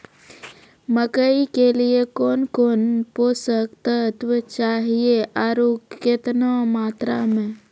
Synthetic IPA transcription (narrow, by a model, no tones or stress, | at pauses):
məkəikeliekoːnkoːnpoːsəkt̪ət̪wət͡ʃaːɦieʔaːɾoːkːɪt̪nomaːt̪ɾamẽ